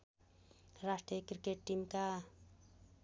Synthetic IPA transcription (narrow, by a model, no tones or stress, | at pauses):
ɾasʈrijəkrikeʈːimka